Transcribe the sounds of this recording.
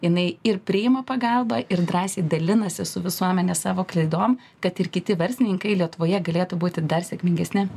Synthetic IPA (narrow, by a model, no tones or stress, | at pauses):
jɪnɐɪɪɾpʲɾʲɪjɪmɐpɐɡɑlˠbɐʔɪɾd̪ɾɑːsʲeːd̪ɐlʲɪnɐsʲɪsʊʋʲɪsuɔmʲɛnʲɛsɑːʋoːklʲˠɐɪd̪oːm | kɐt̪ɪɾkʲɪt̪ʲɪʋɐɾʲsʲɪnʲɪŋkɐɪlʲiɛt̪ʊʋoːjɛɡɐlʲeːt̪ʊbuːt̪ʲɪd̪ɐrsʲɛkmʲɪŋʲɡʲɛsʲnʲɪ